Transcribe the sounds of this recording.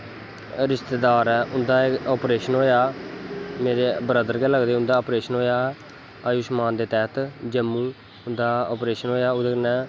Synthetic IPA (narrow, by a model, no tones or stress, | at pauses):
ɾɪʃt̪eːd̪aːɾɛːʔʊnd̪aːɔːpɾeːʃənɦoːjaː | meːɾeːbɾəd̪əɾkɛːləɡd̪eːʊ̃nd̪aːoːpɾeːʃənɦoːjaː | aːjuːʃmaːnd̪eːt̪ɛːt̪d͡ʒəmːũː | ʊnd̪aːoːpɾeːʃənɦoːjaːʊd̪enɛ̃ː